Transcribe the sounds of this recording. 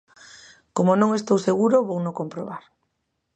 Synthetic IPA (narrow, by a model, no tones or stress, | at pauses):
komonõŋest̪owseɣ̞uɾoβownokompɾoβ̞aɾ